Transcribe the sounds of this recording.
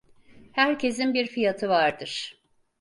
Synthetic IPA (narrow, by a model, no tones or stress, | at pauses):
hæɾcʰe̞s̬inbiɾfijat̪ʰɯvaɾd̪ɯɾ̥